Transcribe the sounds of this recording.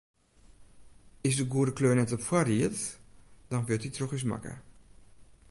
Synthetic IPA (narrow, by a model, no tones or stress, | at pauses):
ɪsdəɡuədəkløːnɛtɔpfwariətd̥ɔnʋøtitroxisma̰kə̰